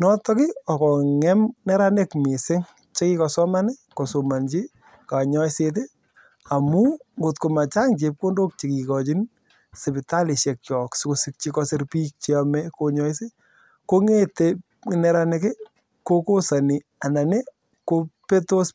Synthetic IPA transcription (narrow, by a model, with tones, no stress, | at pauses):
nɔ˦tɔ˦kɪ˦ɔ˨kɔ˨ŋɛ˦mnɛ˦ɾa˦nɪ˦kmi˨sɪ˦ŋ | t͡ʃe˦ki˦kɔ˨sɔ˦ma˦nɪ˦ko˨so˨ma˨nt͡ʃi˦ | ka˨ɲɔ˦jset̬ɪ˦ | a˨mu˦ŋɡo˨tko˨ma˨t͡ʃa˦ŋt͡ʃe˨p̚ko˦ndo˦k̚t͡ʃi˨ki˨kɔ˨t͡ʃi˦n | se˨pɪ˨ta˦li˨ʃjɛ˨k̚t͡ʃɔ˨ksɪ˦ko˨sɪ˦k̚t͡ʃi˦kɔ˧sɪ˦ɾpiː˦k̚t͡ʃi˦amɛ˦ko˦ɲɔ˦jse˦ | ko˦ŋe˦te˦ | nɛ˦ɾa˦ne˦kɪ˦ | ko˦ko˦sa˨ni˨ | a˨na˨ne˦ | ko˦pe˦to˦s